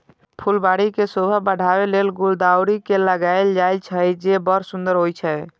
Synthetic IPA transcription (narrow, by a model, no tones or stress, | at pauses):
pʰulbaɽikesobʱəbəɽ̤ʱabelelɡuld̪awɾikeləɡaɪld͡ʒajlt͡ʃʰəd͡ʒebəɾsund̪əɾɦojt͡ʃʰə